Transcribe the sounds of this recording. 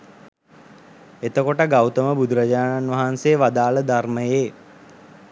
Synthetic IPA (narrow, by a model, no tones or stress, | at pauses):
et̪əkoʈəɡawt̪əməbud̪uɾɐd͡ʒaːnanʋaɦanseːʋad̪aːləd̪arməjeː